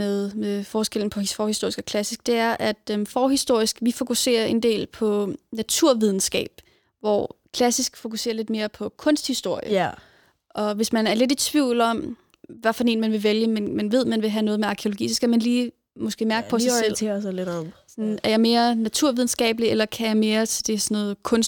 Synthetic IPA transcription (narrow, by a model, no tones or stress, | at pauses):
eðˠmefɒːsɡ̥el̰n̩pʰɒ̽hifɒːhisd̥o̝ɐisɡ̥ɒ̽kʰlæsisɡ̥̚d̥e̝æɐʔæd̥ømfɒːɦisd̥o̝ɐ̰isɡ̥ʋifo̝kʰuse̝̰ːɐe̝nd̥e̝̰ːlpʰɒ̽næt͡sʰuɐ̰ʋið̞ˠn̩sɡ̥ɛ̰ːb̥ | ʋɒ̰kʰlæsisɡ̥fo̝kuse̝̰ːɐle̝d̥me̝ːɐpʰɒ̽kʰɔ̽n̰sd̥hisd̥o̝ɐ̰jə | ʔɒ̽ʋe̝smænæɐle̝d̥it͡sʰʋiʊ̰lɒ̽m | ʋæfɒdne̝ːnmænʋe̝ʋeljəmenmænʋe̝ð̞̰ˠmænʋe̝ɦænɔ̽ːð̞̩ˠmeɑ̈kʰeo̝lo̝ɡ̥ḭːsɒ̽sɡ̥æmænliː | mɒ̽sɡ̥e̝̰ːmæɐɡ̥əpʰɒ̽sɑselsledɒsɒnæɐjɑ̈ɪme̝ːɐnæt͡sʰuɐ̰ʋið̞ˠn̩sɡ̥ɛ̰ːb̥əlielɐkʰæjɑɪme̝ːɐt͡sʰe̝d̥e̝sɒnːɔ̽ːð̩ˠkʰɔ̽ns